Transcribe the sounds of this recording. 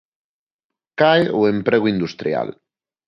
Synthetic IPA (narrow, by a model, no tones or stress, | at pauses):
kajuempɾeɣuind̪ust̪ɾja̰l